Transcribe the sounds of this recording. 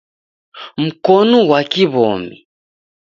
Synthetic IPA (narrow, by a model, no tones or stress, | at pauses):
m̩kɔnɔwakiβɔ̰mḭ